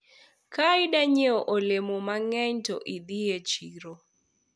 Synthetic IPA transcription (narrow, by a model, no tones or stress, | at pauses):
kaɪdaɲeoʔolemomaŋɛɲtɔʔid̪iet͡ʃiɾo